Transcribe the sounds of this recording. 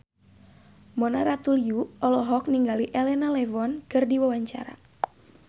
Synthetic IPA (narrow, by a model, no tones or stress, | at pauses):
mɔnaɾat̪uljuɔlɔɦɔk̚niŋɡaliʔelɛnalɛvɔnkɨrdiwawaɲt͡ʃa̰ɾa̰